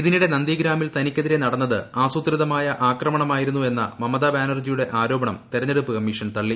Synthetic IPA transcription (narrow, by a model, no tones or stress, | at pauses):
iðiniɽe̞nɐnd̪iːɡɾaːmilt̪ɐnikʲːɐðiɾe̞nɐɽɐnːɐðɨaːsut̪riðɐmaːjɐʔaːkrɐmɐɳɐmaːjiɾunːue̞nːɐ̰mɐmɐðɐbaːnɐrd͡ʑijuɽe̞ʔaːɾo̞ːbɐɳɐmt̪iɾɐɲːeɽupːɨkɐmːiːʂɐnt̪ɐɭːi